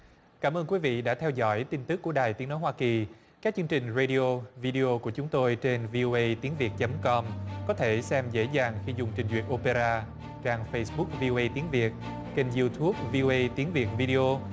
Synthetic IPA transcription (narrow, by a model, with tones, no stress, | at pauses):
kaː˧˩mʔəː˧nkwi˨˦vḭ˧˨ɗa̰ː˧˥t̪ʰɛ˧wzɔ̰˧˥jt̪i˧nt̪ɨ˦˥kːu˧˩əɗaː˨˩jt̪i˨˦əno˨˦jhwaː˧ki˨˩ | kaː˦˥k̚t͡ɕɨ˧ŋt͡ɕï˨˩ŋ̟ze˧ɗi˧ʔo˧vi˧ɗi˧ʔo˧ku˧˩ət͡ɕʊ˨˦ŋ͡mt̪o˧jt͡ɕe˧nvi˧ʔo˧ʔə˧jt̪i˨˦əŋvi˨˩ət̚t͡ɕə˨˦mkɔ˧mkɔ˨˦t̪ʰe˧˩sɛ˧mzḛ˧˥zaː˨˩ŋxi˧zʊ˨˩ŋ͡mt͡ɕï˨˩ŋ̟zwḭ˨˩ət̚ʔo˧pe˧ɾaː˧ | t͡ɕaː˧ŋfə˧jsɓʊ˦˥k̚vi˧ʔo˧ʔə˧jt̪i˨˦ənvi˨˩ət̚ | ke˧nzi˧t̪ʰu˦˥əp̚vi˧o˧ʔə˧jt̪i˨˦əŋvi˨˩ət̚vi˧ɗi˧ʔo˧